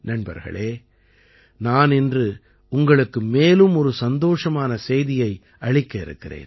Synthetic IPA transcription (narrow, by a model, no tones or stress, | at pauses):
nɐnbɐ̰ɾɣɐ̰ɭeː | naːnɪndrɯ | ʊŋɡɐɭɯkːɯmeːlɯmɔɾɯsɐnd̪oːʂɐmaːnɐsɛjðɪjɐɪ | ɐɻɪkːɐɪɾɯ̰kːɪrḛːn